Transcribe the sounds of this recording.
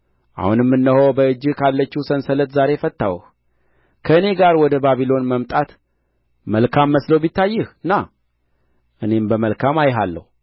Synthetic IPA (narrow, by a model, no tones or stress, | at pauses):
ʔa̰hunɛmːɨnːəhobəɨd͡ʒːɨkʰalːət͡ʃːusənsələt̪zaɾe̞fət̪ːawh | kʰəɨne̞ɡaɾwɔd̪əbaβilo̞nməmt̪ʼat̪ | məlkʰamːəsləwbit̪ːajːɨhɨnːa | ʔɨne̞mbəməlkʰamajɦalːə̰hu